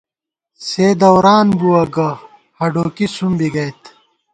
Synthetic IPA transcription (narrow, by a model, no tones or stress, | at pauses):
seːd̪ɐwɾaːnbuɐɡɐ | hɐɖoːkisumbiɡɐjt̪ʰ